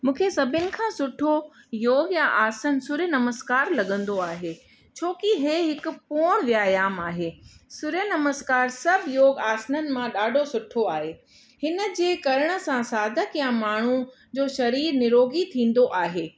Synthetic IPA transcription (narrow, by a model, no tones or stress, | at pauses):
mũːkʰesɐbʱɪnɪ̆kʰãːsʊʈʰo | joːɡjãʔaːsənsʊɾjənɐməskaːɾlɐɠə̃nd̪oaːɦeː | t͡ɕʰoːkiɦeːɦɪkʊ̆puːɽ̃ʋjaːjaːmaːɦeːsʊɾjənɐməskaːɾsɐbʱɪjoːɡaːsnənɪ̆mãɗaːɖʱosʊʈʰoaːɦeː | hɪnə̆d͡ʑeːkɐɾəɽ̃ə̆sãsaːd̪ʱəkjãmaːɳ̤u | d͡ʑoːʃɐɾiːɾnɪɾoːɡit̪ʰĩːn̆d̪oʔaːɦeː